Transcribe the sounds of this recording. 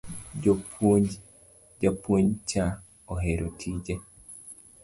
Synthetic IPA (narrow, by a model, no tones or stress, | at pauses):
d͡ʒp | d͡ʒapwoɲt͡ʃa | oɦeɾʔotʰid͡ʒe